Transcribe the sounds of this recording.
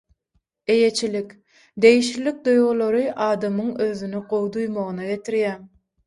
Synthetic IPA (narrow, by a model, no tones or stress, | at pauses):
e̞je̞t͡ʃʰilikʲ | d̪e̞jiʃlilik̚d̪ujʁulˠoɾɯʔɑːd̪ɑmɯŋøðynyqowˠd̪ujmoʁɯnɑɡe̞t̪ʰiɾjæ